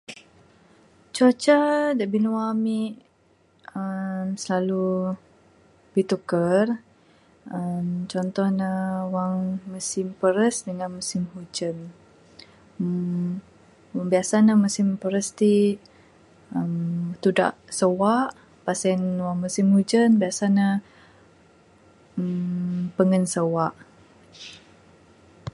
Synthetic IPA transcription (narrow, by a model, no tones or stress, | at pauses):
t͡ʃot͡ʃadaʔbinuwamiʔ | əmsəlalu | b̥it̪ukər | əmt͡ʃɔnt̪ɔhnəwaŋməsimpəɾəsdəŋanməsimhud͡ʒən | ə | biasanəməsɪmpəɾəst̪i | əmt̪uda̰ʔsəwaʔ | pasɛnwaŋməsimhud͡ʒənbiasanə | əmpəŋənsəwaʔ